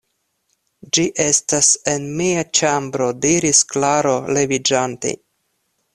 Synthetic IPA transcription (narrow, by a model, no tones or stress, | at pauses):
d͡ʒiʔe̞stase̞nmiat͡ʃambɾo̞diɾisklaɾo̞le̞vid͡ʒantḛ